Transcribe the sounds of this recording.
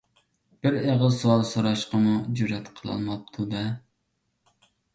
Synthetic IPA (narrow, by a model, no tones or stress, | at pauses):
b̥ɪɾeʁəzsowɑlˠsoɾɑʃqəmud͡ʒyɾɛt̪qʰəlˠɑ̰lˠmɑp̚t̪ʰud̪ɛ